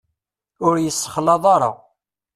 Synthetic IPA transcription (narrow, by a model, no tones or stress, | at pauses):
ʊɾjəsːəχlɑðˤɑɾˤɑ̰